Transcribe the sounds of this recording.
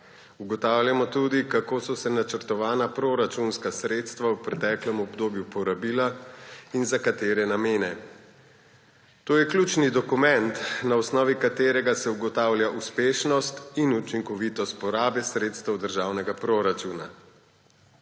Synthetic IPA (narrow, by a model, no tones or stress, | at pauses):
uɡɔt̪awljamɔt̪uːd̪ikakoːsɔsɛnat͡ʃəɾt̪ɔʋaːnapɾoɾat͡ʃunskasɾeːt̪st̪ʋawpɾɛt̪ɛːklɛmɔbd̪oːbjupɔɾabilainzakat̪eːɾɛnameːnɛ | t̪oːjɛkljut͡ʃnid̪ɔkumɛnt̪naɔsnɔːʋikat̪eːɾɛɡasɛuɡɔt̪aːwlʲjaʔuspeːʃnɔst̪inut͡ʃiŋkɔʋit̪ɔst̪̚pɔɾaːbɛsɾet̪st̪ɛwd̪əɾʒaːwnɛɡapɾoɾat͡ʃuna̰